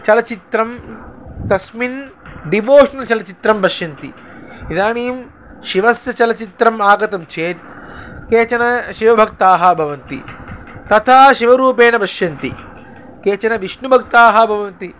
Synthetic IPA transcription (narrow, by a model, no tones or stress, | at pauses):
t͡ʃɐlɐt͡ʃit̪ɾɐmt̪ɐsminɖiʋoːʂɐnɐt͡ʃɐlɐt͡ʃit̪ɾɐmbɐʃjɐnt̪ḭ | id̪aːniːm | ʃiʋɐsjɐt͡ʃɐlɐt͡ʃit̪ɾɐmaːɡɐt̪ɐmt͡ʃʰeːt̪̚keːt͡ʃɐnɐʃiʋɐbʱɐkt̪aːɦɐbʱɐʋɐnt̪ḭt̪ɐt̪ʰaːʃiʋɐɾuːpeːnɐbɐʃjɐnt̪ḭ | keːt͡ʃɐnɐʋiʂɳubʱɐk̚t̪aːɦɐbʱɐʋɐnt̪i